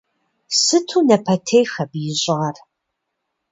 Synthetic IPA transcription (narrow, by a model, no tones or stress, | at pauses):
sɨtʰuːnɐpʰɐtʰejxɐbjɪɕʼɪʁɐr